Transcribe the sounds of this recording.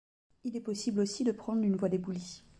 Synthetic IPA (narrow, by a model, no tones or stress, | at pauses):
ilɛpɔsiblosid̪əpχɑ̃d̪ʁynvwad̪ebuli